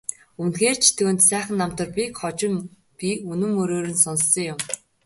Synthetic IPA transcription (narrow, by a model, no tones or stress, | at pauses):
unxeːrt͡ɕʰt̪ʰŭːnt̪sæːχə̆nːam̥t̪ə̆rpʲikχɔt͡ɕɪ̆m | pʲiunɵ̆mːɵɾoːɾɘ̆nsɔnsːɞ̆ŋjʊm